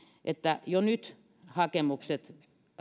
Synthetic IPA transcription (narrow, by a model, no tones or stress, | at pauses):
ʔet̪ːæjonyt̪ | hɑkemukset̪